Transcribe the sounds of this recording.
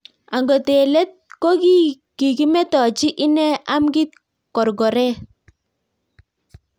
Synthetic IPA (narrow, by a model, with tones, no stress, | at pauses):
a˨ŋɡɔ˨te˨lɛ˦t̚ko˦ki˦ | ki˨ki˦mɛ˦tɔ˨t͡ʃi˦ʔɪ˦nɛ˦a˦mɡi˦t̚ | kɔ˨ɾɡɔ˨ɾɛ˦